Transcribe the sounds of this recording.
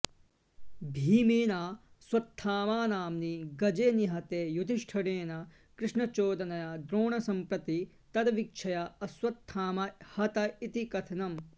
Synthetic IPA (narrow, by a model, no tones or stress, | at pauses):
bʱiːmeːnaːswɐt̪ʰːaːmaːnaːmniɡɐd͡ʒeːniɦɐt̪eːjud̪ʱiʂʈʰɐɽeːnɐ | kɾɪʂɳɐt͡ʃoːd̪ɐnɐjɐd̪ɾoːɳɐsɐmpɾɐt̪i | t̪ɐd̪ɐʋik̚t͡ʃʰɐjɐɐswɐt̪ʰːaːmɐhɐt̪ɐit̪ikɐt̪ʰɐnɐm